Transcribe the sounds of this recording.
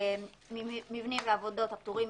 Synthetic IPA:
mimivnimveavodo̞t̪hapt̪uʁim

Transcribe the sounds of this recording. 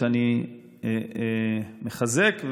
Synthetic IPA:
ani | meχazekv

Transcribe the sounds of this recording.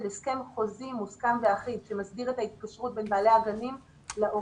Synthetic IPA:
leske̞mχo̞zimuskamve̞aχinʃe̞masbiʁe̞thait̚kaʃʁut̚be̞nbaːle̞aɡanim | leʔo

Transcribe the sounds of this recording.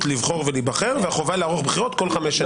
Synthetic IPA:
tlivχo̞ʁvelibaχeʁveaχovaleaʁoχbχiʁot̪̚ko̞lχameʃa

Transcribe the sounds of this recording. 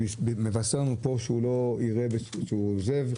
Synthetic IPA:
beme̞vaseʁnupo̞ʃeulo̞iʁebeʃeuozev

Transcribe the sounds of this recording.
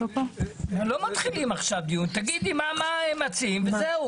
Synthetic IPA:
opoemlo̞mat̪χilimaχʃavd̪ijunt̪aɡid̪imamaemat͡siimvezeu

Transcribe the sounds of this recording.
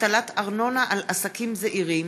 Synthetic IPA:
talat̪aʁno̞naʔalasakimzeʔiʁim

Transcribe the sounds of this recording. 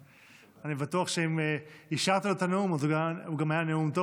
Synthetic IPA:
anibat̪uaχʃeimeiʃaʁt̪alot̪aneumazuauɡamajaneumt̪o

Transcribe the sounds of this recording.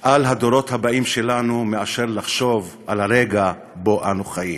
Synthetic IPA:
ʔalɦad̪o̞ɾo̞thabaimʃe̞lanumeaʃe̞ʁlaχʃo̞vʔalaʁeɡa | bo̞ʔanuχajim

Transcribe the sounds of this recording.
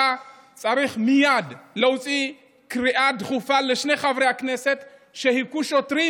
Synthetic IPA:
a | t͡sʼaɾiχmijad̪lowt͡sʼi | kɾiʔad̪χufaleʃneχavɾehakneset̪ʃehikuʃot̪ɾi

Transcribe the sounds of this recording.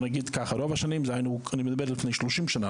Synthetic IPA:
naɡiːdkaχaɾɔvaʃanimzaɪnuaniməd̪abɛɾlɪfneɪʃluʃimʃana

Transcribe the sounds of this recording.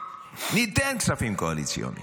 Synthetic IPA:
nid̪ɛŋksafiŋkoalit̪sjo̰ːnḭ

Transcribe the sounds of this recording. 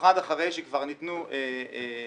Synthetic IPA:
χad̪aχaʁejʃekvaʁnit̪nuʔee

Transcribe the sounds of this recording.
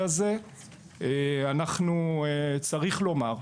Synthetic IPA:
aze | eanaχnuet͡saʁiχlo̞maʁ

